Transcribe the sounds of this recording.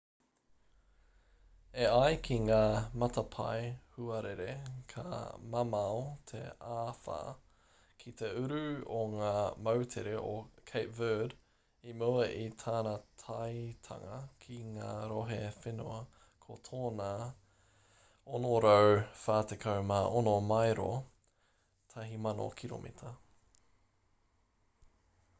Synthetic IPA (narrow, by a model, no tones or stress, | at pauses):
eɐjkʰiŋaːmɐt̪ʰɐpʰa̰jhuɐɾeɾekʰɐ̰mɐmɐot̪ʰḛaːfa̰ː | kʰit̪ʰeʉɾʉoŋaːmɐwtʰeɾeʔokʰeɪtvɜːd | imuɐʔit̪ʰaːnɐt̪ʰajt̪ʰɐ̰ŋɐkʰiŋaːɾoɦefenuɐ | kʰot̪ʰoːna | onoɾowfaːt̪ekʰɐwmaːʔonomajɾo | t̪ʰɐɦimɐno̰kʰiɾo̰mʔḭtʰɐ